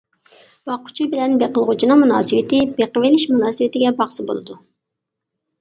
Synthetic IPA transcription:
b̥ɑqʰːʊ̥t͡ʃʰibɪlɛnbeqəlˠʁʊt͡ʃʰinɨŋmunɑ̰ːsɨwɪt̪ɪbeqəvelɪʃmunɑːsɨwɪt̪ʰɪɡʲɛbɑχsɨbo̰lˠɨ̰d̪u

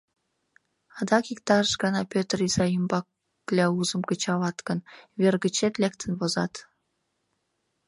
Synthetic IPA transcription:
ɑd̪ɑkikt̪ɑʃɡə̆nɑpʲøt̪rizɑjimbɑ | kːlʲɑuzə̆mkə̆t͡ɕɑβɑt̪kə̆nvʲerɡə̆t͡ɕet̪lʲekt̪ʰə̆nβozɑt̪

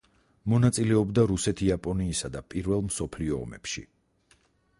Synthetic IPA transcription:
mɔnat̪sʼilɛɔbd̪aɾusɛt̪ʰiapʼɔniːsad̪apʼiɾvɛlˠmsɔpʰliɔ̰ːmɛpʃḭ

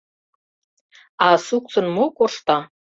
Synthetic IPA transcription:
ɑsuk̚t͡sə̆nmokoʃt̪ɑ

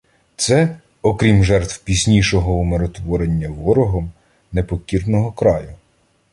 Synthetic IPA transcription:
t̪sɛ | ɔkɾʲimʒɛrt̪wpʲizʲnʲiʃɔɦɔumeɾɔt̪ʋɔɾenʲːɐʋɔɾɔɦɔm | nepɔkʲirnɔɦɔkɾɑjʊ

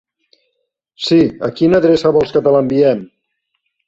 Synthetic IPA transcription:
siə̰kinəðɾesəβɔlˠskət̪ələmbiɛm

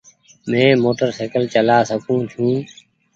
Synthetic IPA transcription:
mẽːmoːʈəɾseːkəlt͡ʃəlaːsəkʰũːt͡ʃʰũː

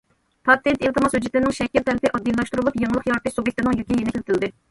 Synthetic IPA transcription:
pʰɑt̪ʰːent̪ilt̪ɨmɑshød͡ʒɪt̪lɪnɪŋʃɛkʲːiɾt̪ʰɛlɪpɪʔɑd̪ːilˠɑʃt̪uɾulˠupjeŋlˠəqjɑɾt̪ɨʃsubʲek̚ʲt̪ɪnɪŋjykʲijenɪkʰʲelɪt̪ʰɪld̪ɪ

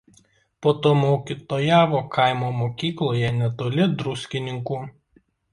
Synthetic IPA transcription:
poːt̪oːmoːkʲit̪oːjæːʋoːkʰɐɪmoːmoːkʲiːklˠoːjɛnʲɛt̪oːlʲɪd̪ɾʊsʲkʲɪnʲɪŋkuː

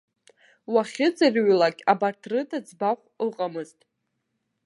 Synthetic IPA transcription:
waχʲɪd͡zarɥlakʲʼabartʰrɨdʰad͡zbaχʷəqʼamɨztʼ

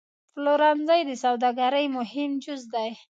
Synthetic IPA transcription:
floɾɑnzajd̪əsawd̪aɡaɾəjmʊhɪmd͡ʒʊzd̪aj

